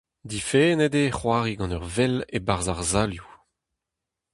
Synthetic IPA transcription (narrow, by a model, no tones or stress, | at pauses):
d̪ifeːned̪eχwaːʁiɡɑ̃nœʁvɛlebaʁzaʁzaːlju